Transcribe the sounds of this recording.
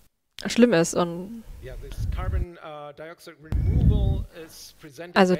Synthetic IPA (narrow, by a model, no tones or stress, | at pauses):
ʃlɪmɪsʔʊntðɪskʰɑɹbə̃ndaɪɔksɨtɹimuvl̩ˠɪz̥pʰɹ̥izɛ̃nalzo